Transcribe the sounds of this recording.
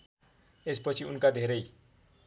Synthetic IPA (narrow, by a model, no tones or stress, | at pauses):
espʌt͡sʰiunkad̪ʱeɾʌj